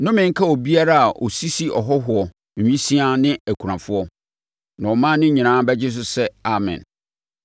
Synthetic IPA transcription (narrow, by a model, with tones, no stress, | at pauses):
nʊ̃˦mɪ̃˨ŋ̩˦kʰa˦wɔ˨bi˦a˦ɾa˦a˨ʔɔ̰˨si˦si˦ɔ˨ɦɔ˦ɦʊ˨ɔ˨ | ɲ̩˨ĩ˦si˦a˦nɪ̃˦æ˨kʰu˨ɾã˨fʊ˦ɔ˦ | nã˨wɔ˨mãː˦nɪ̃˦ɲĩ˨nãː˦bɛ˦d͡ʑɪ˦s̬ʊ˦sɛ˦a˨mɪ̰̃˨n